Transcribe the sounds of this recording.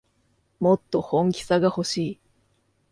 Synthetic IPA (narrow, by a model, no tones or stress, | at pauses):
mo̞t̪ːo̞hõ̞ŋkʲi̥saɡaho̞ɕiː